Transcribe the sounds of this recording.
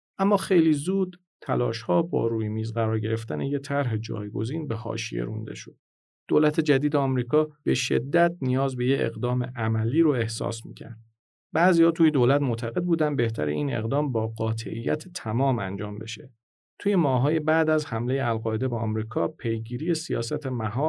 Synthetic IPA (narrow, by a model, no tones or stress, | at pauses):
ʔæmːɒːxe̞jliːzuːd̪̥ | t̪ʰːæ̰lɒ̰ːʃhɒːbɒ̰ːɾuːjemiːzɣæɾɒːɾɟe̞ɾe̞ft̪ænʔejet̪ʰæɾɦe̞d͡ʒɒ̰ːjɡo̞̰ziːnbehɒ̰ːʃḭjḛɾṵnd̪e̞̰ʃo̞d̪̥̚ | d̪̥olæt̪ʰe̞d͡ʒæd̪iːd̪eɒmɾiːkʰɒːb̥e̞ʃe̞̰d̪ːæt̪̚nijɒːzbe̞jeḛɣd̪ɒːme̞̰ʔæmæliːɾoe̞hsɒ̰ːsmḭːcʰæ̰ɾd̪̥̚ | bæziːhɒːt̪uːjed̪olæt̪mot̪ʰæɣe̞d̪̚buːd̪ænd̪be̞ht̪ʰæ̰ɾḛʔiːnḛɣd̪ɒːmbɒːɢɒːt̪ʰe̞̰ʔḭjːæ̰t̪ʰet̪ʰæmɒːmænd͡ʒɒːmbe̞̰ʃe̞ | t̪ʰuːje̞mɒːɦɒːje̞bæd̪æzhæmle̞jeælɣɒːe̞d̪e̞beɒmɾiːkʰɒːpʰe̞jɡiːɾiːje̞sijɒ̰ːsæt̪ʰemæɦɒː